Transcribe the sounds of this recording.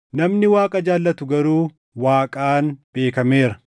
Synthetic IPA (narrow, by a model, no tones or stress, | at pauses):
nɐmnɪwaːkʼɐd͡ʒaːlːɐt̪ʊɡɐɾuː | waːkʼaːnb̥e̞ːkɐme̞ːɾɐ